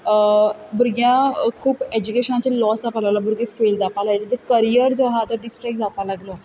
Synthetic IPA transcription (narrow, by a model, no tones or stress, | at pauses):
buɾɡjãkʰuːped͡ʑukeɕənat͡ɕelɔsapalaʋlabuɾɡefeld͡zapalaɡled͡zəkəɾijəɾd͡zoɦat̪əɾɖisʈɾik̚ʈ̚d͡zat̪alaɡlo